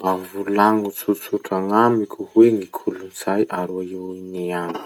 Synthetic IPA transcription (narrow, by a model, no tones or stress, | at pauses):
avulaŋut͡suɾt͡suʈ͡ʂaŋamikʲʰuhweŋikʰulunz̥ajʔaɾuaewiniani̥